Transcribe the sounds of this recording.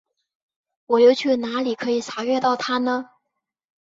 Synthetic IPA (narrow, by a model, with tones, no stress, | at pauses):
wɔ˨˩jo˧˥ʊt͡ɕʰy˥˩na˧˥li˨˩kʰɤ˧˥i˨˩t͡sʰa˧˥ɥɛ˥˧t̪ɑ˥˩ʊt̪ʰa˥nə˨